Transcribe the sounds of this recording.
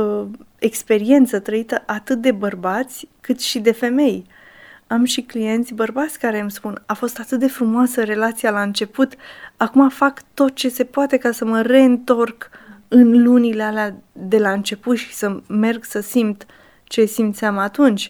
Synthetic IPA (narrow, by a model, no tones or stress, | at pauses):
e̞kspe̞ɾie̞nt̪sət̪ɾəit̪əʔat̪ɨt̪̚d̪e̞bərbat̪sʲkɨt̪ʃid̪e̞fe̞me̞j | amʃiklije̞nt̪sʲbərbat̪sʲkaɾe̞mspunafo̞st̪at̪ɨt̪̚d̪e̞fɾumoasəre̞lat̪sijalaɨnt͡ʃe̞put̪akumafakt̪o̞t̪̚t͡ʃe̞se̞poat̪e̞kasəməre̞ɨnt̪o̞rkɨnlunilealead̪e̞laɨnt͡ʃe̞put̪ʃi̥səme̞rɡsəsimt̪ | t͡ʃe̞simt̪sʲamaːt̪unt͡ʃʲ